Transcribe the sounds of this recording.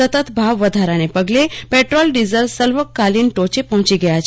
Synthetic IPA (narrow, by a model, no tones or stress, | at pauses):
ət̪ət̪bʱaʋːəd̪ʱaɾanepəɡlepeʈɾolɖizəɾʋsəlʋəkːalinʈot͡ʃepəɦt͡ʃiɡəjat͡ʃʰ